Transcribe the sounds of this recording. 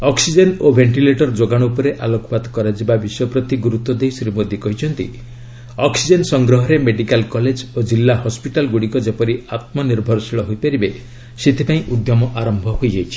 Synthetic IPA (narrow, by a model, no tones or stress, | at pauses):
ɔksid͡ʒenobʱeɳʈileʈɔɾd͡ʒoɡaɽ̃upɔɾeʔalokɔpad̪ɔkɔɾad͡ʒibabiswɔpɾɔt̪iɡuɾut̪ːɔd̪ejsɾimod̪ʱjɔkɔɦit͡ʃʰɔnt̪ḭ | ɔksid͡ʒensɔŋɡɾɔɦɔɾemeɖikalkɔled͡ʒod͡ʒilːahɔspiʈalɡuɽikɔd͡ʒepɔɾiat̪̚mɔniɾbʱɔɾɔsiɭɔɦojpaɾibe | set̪ʰipaĩʔud̪jɔmɔʔaɾɔmbʱɔhojd͡ʒajt͡ʃʰi̥